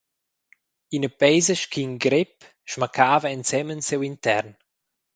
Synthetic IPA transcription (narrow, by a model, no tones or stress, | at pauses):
inəbɛjzəʃkʰinɡɾɪp | ʃmakʰaːvəɛnt͡sɛmənsewintɛɾn